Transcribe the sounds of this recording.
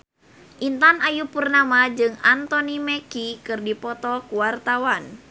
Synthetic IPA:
ʔint̪anajupurnamad͡ʒɨŋant̪ɔnimɛkikɨrdipɔt̪ɔkuwart̪awan

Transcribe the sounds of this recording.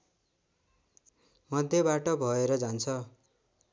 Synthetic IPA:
mʌd̪ʱjʌbaʈʌbʱʌeɾʌd͡zant͡sʰʌ

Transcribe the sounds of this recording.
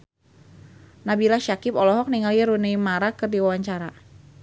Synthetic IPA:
nabilaʃakɪpɔlɔɦɔk̚niŋaljəɾunejmaɾakɨrdiwawaɲt͡ʃaɾa

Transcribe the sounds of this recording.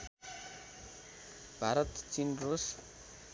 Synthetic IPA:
bʱaɾʌt̪t͡sinros

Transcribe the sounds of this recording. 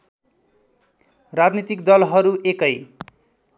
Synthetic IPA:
rad͡znit̪ikd̪ʌlɦʌɾuʔekʌj

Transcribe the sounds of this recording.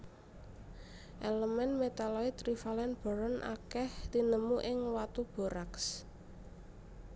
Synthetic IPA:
ʔeləmɛnmet̪alɔit̪ɾifalɛnb̥ɔ̤ɾɔnʔa̰kɛht̪inəmuʔɪŋwat̪ub̥ɔ̤ɾaks

